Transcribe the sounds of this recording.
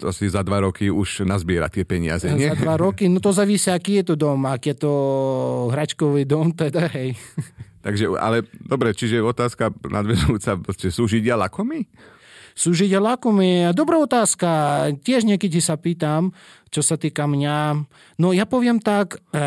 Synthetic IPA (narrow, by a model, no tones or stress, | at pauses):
t̪ɔasizad̪ʋaɾɔkiuʃnazbɪɛɾa̰t̪ɪɛpɛɲɪa̰zɛɲzɛad̪ʋaɾɔkinɔt̪ɔzaʋisiaakiːjɛt̪ɔd̪ɔmakiːjɛt̪ɔ | ɦɾat͡ʃkɔʋid̪ɔmt̪ɛd̪aɦɛjt̪aɡʒɛa̰lɛd̪ɔbɾɛt͡ʃiʒɛɔt̪aːskanʔa̰d̪ʋɛzuut͡sapɾɔscɛsuːʒiɟɪalakɔmi | suːʒiɟjalakɔmiad̪ɔbɾaːɔt̪aːskacʲɪɛʒɲɛkɛcisapiːt̪am | t͡ʃɔsat̪iːkamɲa | nɔjapɔʋɪɛmt̪ak